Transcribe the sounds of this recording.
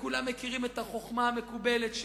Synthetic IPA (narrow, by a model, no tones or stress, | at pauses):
kulamːekiʁimet̪aχo̞χmaːme̞kubeletʃ